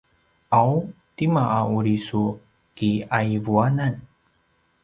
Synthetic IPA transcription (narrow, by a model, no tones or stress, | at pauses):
ʔaw | t̪imaʔauɾisu | kiaivuanan